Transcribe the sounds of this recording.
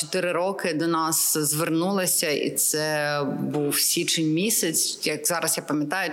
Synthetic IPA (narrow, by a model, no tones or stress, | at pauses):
t͡ʃɔt̪ɪɾɪɾɔkɪd̪ɔnɑszʋernulˠɪsʲɐʔḭt̪sɛbuwsʲit͡ʃɪnʲmʲisʲɐt͡sʲjɐkzɑɾʔɐzjapɐmʲjɐt̪ɑjʊ